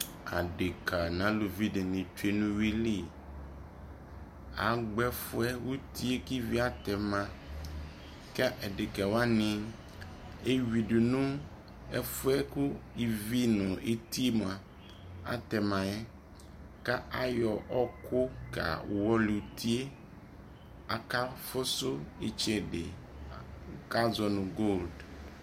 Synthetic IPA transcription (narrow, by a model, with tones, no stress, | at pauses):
a̰˨ɖe˨kʰa˨nã˨˦lu˨vi˦de˨nĩ˨t͡ʃu˦e˦nũ˦wi˦li˦˨ | a̰˨ɡ͡bɛ˦fʊ˦ɛ˦wu˦t̪i˦e˦ki˦vi˦a˦t̪ɛ˨mã˨ | ka˦ʔɛ˨ɖe˨ka˨wa˦nɪ̃˨ | e˦wi˨ɖu˨nũ˦ | ɛ˦fʊ˦ɛ˦ku˦i˨vi˦nʊ̃˨e˦ti˦m˨a˨ | a̰˨tɛ˨mã˨ɛ˦ | ka˦ʔa˦jɔ˨ʔɔ˦kʰʊ˦ka̰˨wɔ˦lu˨tʰi˦e˦ | a˨ka˦fʊ˦sʊ˦ɪ˨t͡ʃɛ˨dɪ̰˨ | ka˦zɔ˨nʊ̃˨ɡo˦˨ld